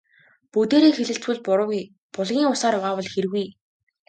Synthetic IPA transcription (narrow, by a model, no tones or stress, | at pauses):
put̪eːɾeːxeɮɘ̆ɬt͡sɡŭɮpʊɾʊ̆ːɣij | pʊɮɣʲiːŋʊsaːɾjʊʁaːpɔɮxeɾɘɣuj